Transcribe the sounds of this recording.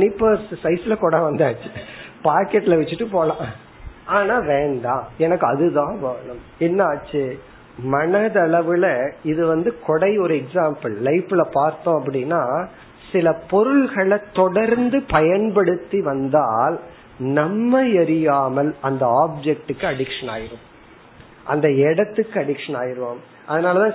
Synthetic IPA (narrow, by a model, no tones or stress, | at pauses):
nɪpːɐssɐɪsɪlɐkɔːɽaʋɐnd̪aːt͡ʃːɯ̥paːɾkɛʈːɪlɐʋɛt͡ʃːɯʈːɯp̬oːlãː | aːnaːʋeːɳɖãːɛnɐkːɯɐðɯðãːʋaːnɯm | ɛnːaːt͡ʃːɯ | mɐɳɐðɐɭɐʋɯlɐɪðɯʋɐnd̪ɯkɔɽɐɪɔɾɯɛksaːmpɐɭːɐɪpːɯlɐpaːɾt̪õːɐp̬ːɐɽɪnːaː | sɪlɐpɔɾɯɭɣɐɭɐt̪ɔɽɐɾnd̪ɯpɐjɐnpɐɽɯt̪ːiʋɐnd̪aːl | nɐmːɐjɐɾɪjaːmɐlɐnd̪ɐaːb̚d͡ʒɛk̚ʈɯkːɯɐɽɪkʂɐna̰ːjɪɾɯm | ʔɐnd̪ɐɛɽɐt̪ːɯkːɯɐɽɪkʂɐnaːjɪɾɯʋam | ɐðɐnaːlɐt̪ãː